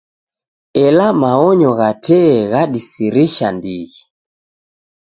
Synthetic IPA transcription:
ɛlamaɔɲɔɣatɛːɣaɗisiɾiʃa̰ndiɣi

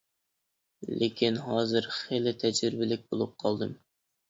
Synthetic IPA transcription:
lekʲʰinɦɑːzɨɾχelɪt̪ʰɛd͡ʒɾɪɾɪbɪlɪk̚ʲbolˠup̚qʰɑlˠd̪ɨm

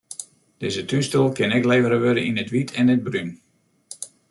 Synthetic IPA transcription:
d̥ɪzətystəlˠkɪnɛkleːvəɾəʋøɾəinətʋitʰɛnəd̚bryn

